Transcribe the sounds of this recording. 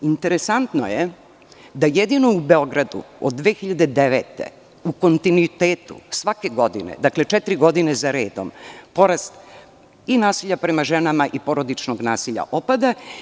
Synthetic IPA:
int̪e̞ɾesant̪noje | d̪ajed̪ino̞ube̞o̞ɡɾad̪ṵ | o̰d̪ːʋeːxiʎad̪e̞d̪eʋeːt̪ḛ | uko̞nt̪inuit̪eːt̪ṵsʋake̞ɡo̞d̪ḭnḛd̪akle̞t͡ʃɛt̪iɾiɡo̞d̪inezaɾeːd̪o̰mpo̞ɾast̪ | inaːsiʎapɾe̞maʒenamaʔipo̞ɾo̞d̪it͡ʃnoɡnaːsiʎa̰ʔopad̪a

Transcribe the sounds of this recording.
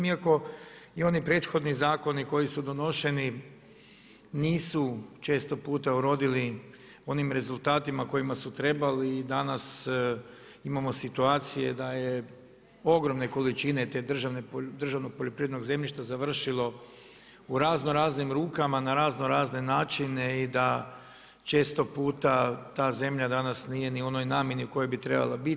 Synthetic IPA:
miako̞io̞nipɾe̞ːt̪xo̞d̪nizaːko̞niko̞jisud̪o̞no̞ʃe̞ni | niːsut͡ʃe̞ːst̪o̞puːt̪auɾo̞d̪ili | o̞nimɾe̞zulˠt̪aːt̪imako̞jimasut̪ɾe̞baliːd̪anas | imamo̞sit̪uaːt̪sije̞d̪aje | o̞ɡɾo̞mne̞ko̞lit͡ʃine̞t̪eːd̪r̩ʒaned̪r̩ʒaʋno̞ɡ̚poʎopɾiːʋed̪noɡze̞mʎiʃt̪azaʋr̩ʃilˠo̞ | uɾaːzno̞ɾaːznimɾuːkamanaɾaːzno̞ɾaːzne̞naːt͡ʃine̞id̪a | t͡ʃe̞ːst̪o̞puːt̪at̪aːze̞mʎad̪anasnije̞nio̞no̞jnaːmje̞niuko̞jo̞jbit̪ɾe̞̰ba̰lˠabi

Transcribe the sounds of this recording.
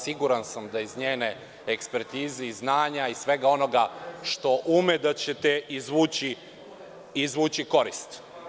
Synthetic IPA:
siɡuɾansamd̪aizɲeːne | ekspeɾt̪iːzeiznaːɲaisʋe̞ɡao̞no̞ɡaʃt̪o̞ʔumed̪at͡ɕet̪eizʋuːt͡ɕi | izʋuːt͡ɕiko̞ɾist̪

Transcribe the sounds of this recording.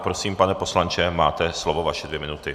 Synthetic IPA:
pɾo̞siːmpanɛpo̞slant͡ʃɛmaːt̪ɛslovo̞vaʃɛdvjɛmɪnut̪ɪ

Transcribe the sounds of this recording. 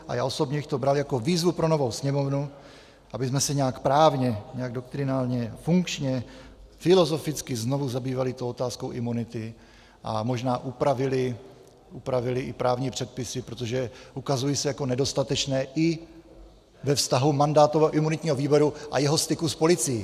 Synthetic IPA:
ʔa̰ja̰ːʔo̞so̞bɲɛbɪxt̪o̞bɾaljako̞viːzvupɾo̞no̞vo̞wsɲɛmo̞vnu | ʔabɪs̬mɛsɛɲɛakpɾaːvɲɛɲɛaɡdo̞kt̪ɾɪnaːlɲɛfuŋkt͡ʃɲɛfɪlo̞zo̞fɪt͡skɪzno̞vuzabiːvalɪt̪owot̪aːsko̞wʔɪmunɪt̪ɪ | ʔa̰mo̞ʒnaːʔupɾavɪlɪ | upɾavɪlɪʔɪpɾaːvɲiːpr̝̥ɛt̪̚pɪsɪpɾo̞t̪oʒɛʔukazujisɛjako̞nɛdo̞st̪at̪ɛt͡ʃnɛːʔɪ | vɛfst̪aɦumandaːt̪ovɛʔɪmunɪt̪ɲiːɦoviːboɾuʔa̰jɛɦost̪ɪkuspo̞lɪt͡sɪjɪ

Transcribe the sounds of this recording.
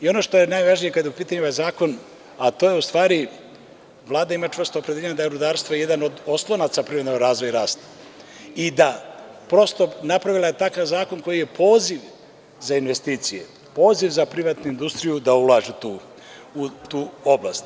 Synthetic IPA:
io̞no̞ʃt̪o̞je̞najʋaʒnijekad̪jeupiːt̪aɲuajzaːko̞n | at̪o̞je̞ust̪ʋaːɾi | ʋlˠaːd̪aimat͡ʃʋr̩st̪opɾe̞d̪eɲad̪aeɾud̪aːɾst̪ʋoje̞d̪ano̞d̪o̞slˠo̞nat̪sapɾimed̪oɾaːzʋo̞jɾaːst̪ | id̪apɾo̞st̪o̞napɾaʋilˠajet̪akaʋzaːko̞nko̞jije̞pʰo̞ːziʋ | zainʋe̞st̪iːt̪sijḛ | po̞ːziʋzapɾiʋat̪nuind̪ust̪ɾijud̪aulˠaːʒut̪uː | ut̪uːo̞blast̪

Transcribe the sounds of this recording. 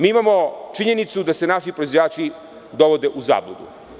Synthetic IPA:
miːimamo̞t͡ʃiɲe̞nit̪sud̪ase̞naʃipɾoizʋojaːt͡ʃi | d̪oʋod̪e̞ʔuza̰ːblˠuɡ̪ṵ

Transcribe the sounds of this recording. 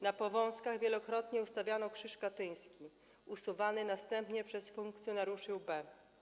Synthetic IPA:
napɔvɔ̃w̃skaɣvʲjɛlɔkɾɔt̪ɲɛust̪avʲjanɔkʂɘʂkat̪ɘj̃skʲi | usuvanɘnast̪ɛmpɲɛpʂɛsfuŋk̚t̪sʲjɔnaɾjuʂɛwbɛ

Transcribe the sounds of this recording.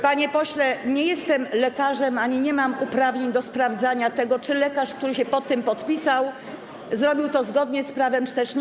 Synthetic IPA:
paɲɛpɔɕlɛɲɛjɛst̪ɛmlɛkaʐɛmaɲiɲɛmamupɾavɲeɲd̪ɔspɾavd̪zaɲat̪ɛɡɔt͡ʂɘlɛkaʂkt̪uɾɘɕɛpɔt̪ːɨmpɔt̪pʲisaw | zɾɔbʲiwt̪ɔzɡɔd̪ɲɛspɾavɛmt͡ʂɨ̥t̪ɛʂ

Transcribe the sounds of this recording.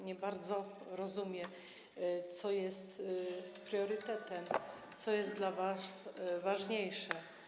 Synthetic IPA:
ɲɛbaɾd̪zɔɾɔzumʲjɛ | t̪sɔjɛst̪pɾjɔɾɘt̪ɛt̪ɛm | t̪sɔjɛst̪d̪lavasvaʐɲejʂɛ

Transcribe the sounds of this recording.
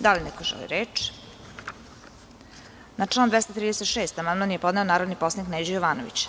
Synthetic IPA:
d̪alinɛkoʒɛ̰lˠḭɾeːt͡ʂ | naʈ͡ʂlaːnd̪ʋɛst̪ot̪ɾiːd̪eset̪ʃeːst̪amanmanjepo̞d̪ne̞o̞naːɾod̪nipo̞sˠanikned͡ʑojoʋaːnoʋḭt͡ɕ

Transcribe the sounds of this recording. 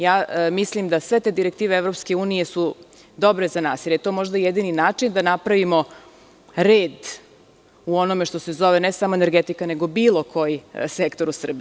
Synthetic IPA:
jaːmislimd̪asʋe̞t̪e̞d̪iɾek̚t̪iːʋeevɾo̞pske̞uːnije̞su | d̪o̞bɾezanaːsilʎʲjeit̪omo̞ʒd̪ajed̪ininaːt͡ʂind̪anapɾaʋimo̞ | ɾeːd̪ | uonomeʂt̪o̞se̞zoʋenesamoeneɾɡet̪ikaneɡobiːlo̞kʰo̞jisekt̪o̞ɾusr̩bi

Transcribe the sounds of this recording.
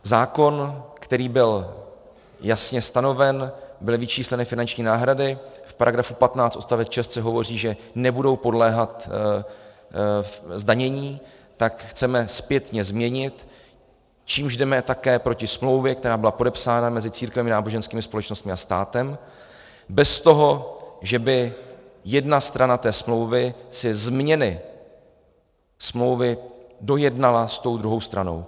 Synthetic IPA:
zaːko̞nkt̪ɛɾiːbɪl | jasɲɛst̪ano̞vɛnbɪlvɪt͡ʃiːslɛnɪfɪnant͡ʃɲiːnaːɦɾadɪfpaɾʔaɡɾafupat̪naːt͡st̪ʔost̪avɛt̪ʃɛst̪t͡sɛɦo̞vo̞r̝iːʒɛnɛbudo̞wpo̞dlɛːɦat̪ | zdaɲɛɲiː | t̪akxt͡sɛmɛspjɛt̪ɲɛzmɲɛɲɪt̪ | t͡ʃiːmʒdɛmɛt̪akɛːpɾo̞cɪsmlo̞wvjɛk̚t̪ɛɾaːbɪlapo̞dɛpsaːnamɛzɪt͡siːɾkvɛmɪnaːbo̞ʒɛnskiːmɪspo̞lɛt͡ʃno̞st̪mɪast̪aːt̪ɛm | bɛst̪o̞ɦo̞ʒɛbɪjɛdnast̪ɾanat̪ɛːsmlo̞wvɪsɪzmɲɛnɪ | smlo̞wvɪdo̞jɛdnalast̪o̞wd̪ɾuɦo̞wst̪ɾano̞̰w

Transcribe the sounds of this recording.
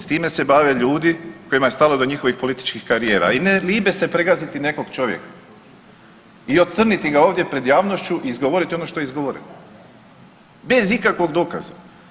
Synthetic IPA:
st̪iːme̞se̞baʋeʎuːd̪iko̞imaje̞st̪alod̪o̞ɲixo̞ʋixpo̞lit̪i̥t͡ʃkixkaɾije̞ːɾa̰ineliːbe̞se̞pɾeɡazit̪ine̞ko̞ɡt͡ʃo̞ʋjḛkḁ | io̞t̪sr̩nit̪iɡaoːʋd̪je̞pɾe̞d̪jaːʋnoʃt͡ɕuʔiizɡo̞ʋo̞ɾit̪io̞noʃt̪o̞jeizɡo̞ʋo̞ɾḛno | be̞zikakʋo̞ɡd̪o̞ːka̰za̰

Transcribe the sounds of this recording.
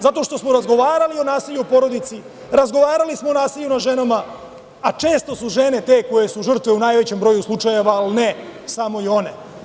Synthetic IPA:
zat̪o̞ʃt̪o̞smo̞ɾazɡo̞ʋaːɾalio̞naːsilʎuopo̞ɾo̞d̪it̪si | ɾazɡo̞ʋaːɾalismoːnaːsilʎunaʒe̞nama | at͡ʃe̞ːst̪o̞suʒe̞ne̞t̪e̞ko̞je̞suʒr̩t̪ʋeunaːjʋe̞t͡ɕe̞mbɾo̞juslˠut͡ʃaje̞ʋaːlinesamo̞io̞ne̞

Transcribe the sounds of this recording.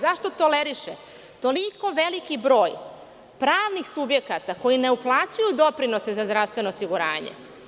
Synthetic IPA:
zaʃt̪o̞t̪oleɾiʃe | t̪o̞liko̞ʋelikibɾo̞ːj | pɾaːʋnixsubje̞kat̪ako̞jine̞uplˠaːt͡ɕujud̪o̞pɾino̞sezazd̪ɾaʋst̪ʋe̞noːsiɡuɾa̰ːɲḛ

